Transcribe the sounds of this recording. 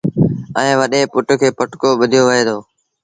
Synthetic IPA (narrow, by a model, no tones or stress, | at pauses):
ɛẽːʋəɗeːpʊʈkʰeːpəʈkoːɓʊd̪ʱijoːʋəɦeːd̪oː